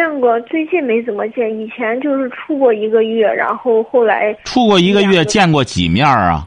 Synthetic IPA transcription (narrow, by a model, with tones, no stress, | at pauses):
ɛ˥˧nkwɔ˥˩t͡swe˥˧ɪt͡ɕi˥˩me˧˥ɪt͡sə˨˩mə˦t͡ɕjɛ˥˩ni˨˩t͡ɕʰjɛ˧˥nt͡ɕjo˥˧ʊʂɻ̩˥˧ʈ͡ʂʰu˥˧kwɔ˥˩i˧˥ɡə˧ɥɛ˥˩ɻa̰˧˥nxo˥˧ʊxo˥˩ʊla̰˧˥ɪʈ͡ʂʰu˥˧kwɔ˥˩i˧˥ɡə˧ɥɛ˥˧t͡ɕjɛ˥˧nkwɔ˥˩t͡ɕḭ˨˩mjɑ˥˩ɐ̰˩